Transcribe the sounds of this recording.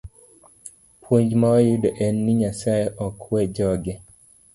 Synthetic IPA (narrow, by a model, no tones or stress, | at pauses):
pʰwoɲd͡ʒmaɔjɪdɔʔɛnːɪɲasajeʔɔkʰwɛd͡ʒɔɡɛ